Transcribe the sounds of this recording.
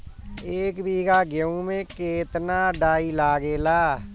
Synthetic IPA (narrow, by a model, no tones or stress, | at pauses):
eːkbʱiːɡaːɡəũːmẽːkeːt̪naːɖaːiːlaːɡeːlaː